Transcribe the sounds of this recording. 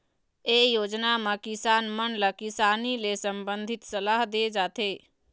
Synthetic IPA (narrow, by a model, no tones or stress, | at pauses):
eːjoːd͡ʒnamakɪsaːnmənləkɪsaːnilesəmbənd̪ʱɪt̪səlaːɦd̪ed͡ʒaːt̪eː